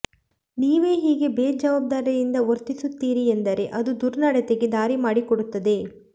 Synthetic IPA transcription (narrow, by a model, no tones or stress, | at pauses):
niːʋe̞ːɦiːɡe̞beːd͡ʒɐʋaːb̚d̪aːɾjɐjind̪ɐoɾt̪isut̪ːiːɾiend̪ɐɾe̞ʔɐd̪ud̪uɾnɐɽet̪eɡed̪aːɾimaːɽikɔɽut̪ːɐd̪e̞